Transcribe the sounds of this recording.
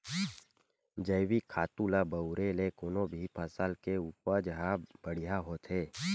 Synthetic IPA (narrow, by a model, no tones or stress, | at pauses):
d͡ʒəɪwikʰaːt̪ulabəʊɾelekonõbʱipʰəsəlkeuːpəd͡ʒɦabəɽijaɦoːt̪ɦeː